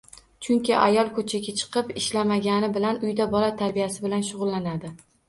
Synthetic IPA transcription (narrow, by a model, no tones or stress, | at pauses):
t͡ʃʰʊŋkʲɪʔa̰jɒlˠkʰɵt͡ʃʰaɡʲat͡ʃʰɨ̥qʰɨpɪʃlamaɡʲanɪbɪlanʊjd̪abɒlat̪ʰaɾbijasɪbɪlanʃ̬ʊʁʊlˠːanad̪ɪ